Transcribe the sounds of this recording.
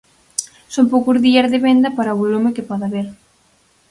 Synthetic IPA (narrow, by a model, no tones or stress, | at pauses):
sompowkʊzðiɐzðɪβend̪ɐpaɾɐoβolumɪkepɔðaβeɾ